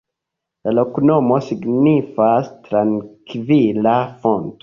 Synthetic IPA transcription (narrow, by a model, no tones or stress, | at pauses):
lalo̞kno̞mo̞siɡnifastɾaŋkvilafonto̥